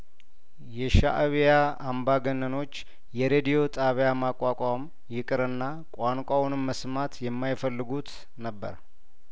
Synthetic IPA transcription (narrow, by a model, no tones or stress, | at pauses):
jɛʃa̰ʔβjaambaɡənːəno̞t͡ʃː | jɛɾed̪ijo̞t̪ʼaβjamakʼakʷʼam | jɪkʼɨɾɨnːa | kʷʼwaŋkʷʼawnɨmːəsmat̪jɛmːajfəlːɨɡut̪ | nəbːə̰ɾ